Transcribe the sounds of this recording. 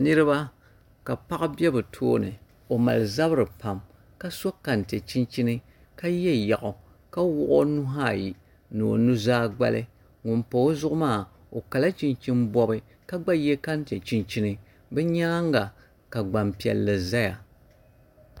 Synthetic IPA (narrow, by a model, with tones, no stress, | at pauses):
nɨ˦ɾɨ˦ba˦ | ka˨pa˦ʔbɛ˦bɨ˨tʰo̰ː˦nɨ˨ | o˨ma̰˨lɨ˨za˦bɨ˦ɾɨ˨pa˦m | ka˦so˦ka˨nte˨t͡ʃi˦nt͡ʃi˦nɨ˦ | ka˦jɛ˦ja˨ʔʊ˨ | ka˦wʊ˦ʔʊ˦nu˦ɦa˦˨ji˨ | nɨ˨o̰˨nu˦zaː˦ɡ͡ba̰˦lɨ˦ | ŋʊ˨npo˨˦zʊ˦ʔʊ˦maː˦˨ | o˨ka˨la˦t͡ʃi˦nt͡ʃi˦nbɔ˦bɨ˦ | ka˦ɡ͡ba˦jɛ˦ka˦n˦te˨t͡ʃi˦nt͡ʃi˦nɨ˦ | bɛ˦ɲaː˦ŋɡa˨ | ka˨ɡ͡ba˨mpi˨ɛ̰˨lːɨ˨za˦ja̰˨